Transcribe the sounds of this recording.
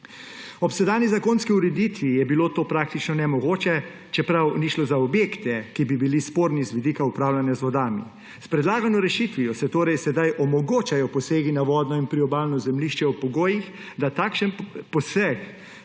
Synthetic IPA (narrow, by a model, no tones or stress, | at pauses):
ɔpsɛd̪aːnizakoːnskiuɾɛd̪it̪ʋijɛbiloːt̪oːpɾaːkt̪it͡ʃnɔnɛmɔɡoːt͡ʃɛ | t͡ʃɛpɾawniʃlɔzaɔbjeːkt̪ɛkibibilispoːɾnizʋid̪ikaupɾaːwlanjazʋɔd̪aːmḭ | spɾɛd̪laːɡanɔɾɛʃit̪ʋijɔsɛt̪oːɾɛjsɛd̪ajʔɔmɔɡoːt͡ʃajɔpɔseːɡinaʋɔːd̪nɔinpɾiɔbaːlnɔzɛmliʃt͡ʃɛɔpɔɡoːjix | d̪at̪akʃɛnpɔsɛk